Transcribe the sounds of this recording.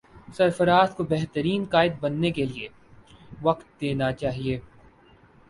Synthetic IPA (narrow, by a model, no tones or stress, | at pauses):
sɐɾfəɾaːt̪kobɛɦt̪əɾiːnkaːɪd̪̚bɐnːekelie | ʋɐqt̪̚d̪eːnat͡ʃaːɦieː